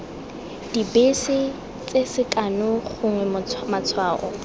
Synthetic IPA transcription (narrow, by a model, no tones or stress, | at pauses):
d̥ibesɪ | t͡sʼesɪkʼanʊχʊŋwɛmʊmat͡sʰwaːʔɔ